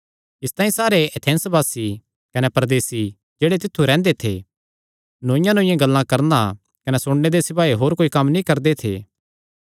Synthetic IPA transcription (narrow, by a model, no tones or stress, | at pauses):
ɪst̪aːĩsaːɾeɐt̪ʰɛ̃ːnsbaːsi | kɐnɛpɐɾɐd̪eːsi | d͡ʒeːɽet̪̬ɪt̪ʰːuɾɛ̃ːnd̪et̪ʰḛ | nõːɪ̃jãnõːɪ̃jẽɡɐlːãkɐɾna | kɐnɛsʊɽned̪esɪpaːiɦoːɾkoːikɐmnĩkɐɾd̪et̪ʰḛː